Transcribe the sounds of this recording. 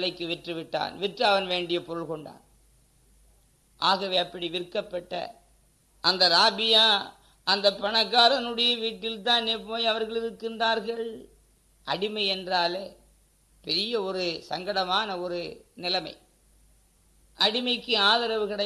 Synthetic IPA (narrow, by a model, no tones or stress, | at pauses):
lɐɪkːɯʋɛʈrɯʋɪʈːa̰ːnʋɪʈrɯɐʋɐnʋeːɳɖɪjɐpɔɾɯɭkɔɳɖa̰ːn | ʔaːɣɐʋeːɐpːɐɽiʋɪɾkːɐpːɐʈːɐ̰ | ʔɐnd̪ɐɾaːbɪjaː | ʔɐnd̪ɐpːɐɳɐɣːaːɾɐnɯɽɐjɐʋiːʈːɪlt̪ãːnneːpoːjɐʋɐɾɣɐɭɪɾɯkːɪndraːɾɣɐɭ | ʔɐɽɪmɐɪɛndraːleː | pɛɾɪjɐɔɾɯsɐŋɡɐɽɐmaːnɐɔɾɯnɪlɐmɐ̰ɪ | ʔɐɽɪmɐɪkːɯaːðɐɾɐʋɯkɪɽɐ